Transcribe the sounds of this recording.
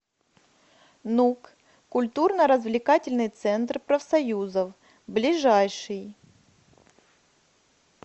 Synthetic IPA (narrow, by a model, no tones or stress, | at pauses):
nuk | kʊlʲt̪urnəɾəzvlʲɪkatʲɪlʲnɨjt̪sɛnt̪rpɾəfsɐjuzəf | blʲɪʐajʂɨj